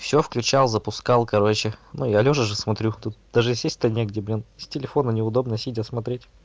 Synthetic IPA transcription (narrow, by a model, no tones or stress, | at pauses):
fsʲɵfklʲʉt͡ɕalˠzəpʊskɑlˠkɐɾo̞t͡ɕɪnujalʲoʐəʐɨsmɐt̪ɾʲut̪ut̪̚d̪̥aʐɨsʲesʲt̪ənʲeɡdʲeblʲinsʲtʲɪlʲɪfonənʲɪʊd̪o̞bnəsʲidʲasmɐt̪ɾʲetʲ